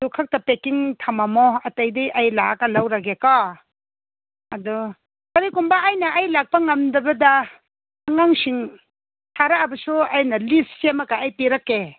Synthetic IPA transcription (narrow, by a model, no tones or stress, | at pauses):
dukʰak̚tapekiŋtʰamamɔɐtajdejʔajlakalawɾaɡeka | ɐdu | kɐɾikumbaːjnaʔːjlak̚pɐŋɐmdɐbɐdaː | ŋaŋsiŋ | tʰaɾaːbɐsuajnɐlissemakaːjtiɾakːe